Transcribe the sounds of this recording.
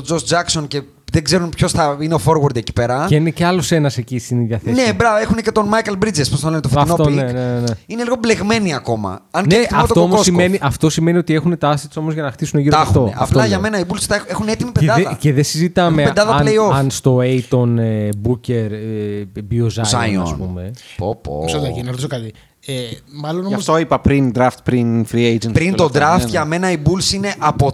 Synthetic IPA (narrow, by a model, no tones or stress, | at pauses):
od͡zost̪d͡zɐksonce̞ | ðeɡze̞ɾunpço̞sθɐineofo̞ɾwoɾd̪eci̥pe̞ɾɐeineceɐlose̞nɐse̞cist̪iniðʝɐθensebɾɐvɐe̞xunece̞t̪o̞nmɐjkɐlbɾid͡zesposnɐlenet̪ofɐnfoonenenineliɣoble̞ɣme̞niɐko̞mɐ̰ɐnneiɐoft̪otoomossimeniʔɐft̪o̞sime̞nio̞t̪ie̞xune̞t̪ɐsit̪so̞mozʝɐnɐxt̪isuneʝiɾoɐft̪oɐ̰ftloɐʝɐme̞nɐibulsi̥t̪ɐexuneet̪imipeneɐeðɐceðesizit̪ɐmeped̪ɐðɐɐleioɐnst̪o̞ejt̪o̞nebuce̞ɾ | biozɐɐoɐ̰snpṵme̞po̰po̰solɐinɐɾt̪isokɐt̪i | emɐlonoɐmst̪oipɐpɾind̪ɾɐft̪̚pɾinfɾiejd͡ʒenpɾint̪od̪ɾɐft̪ʝɐme̞nɐibulsine̞ʔɐpo